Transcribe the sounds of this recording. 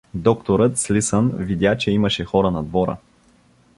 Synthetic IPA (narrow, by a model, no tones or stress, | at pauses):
d̪ɔkt̪oɾət̪slisənvid̪ʲjat͡ʃɛimɐʃɛxɔɾənɐd̪vɔɾə̰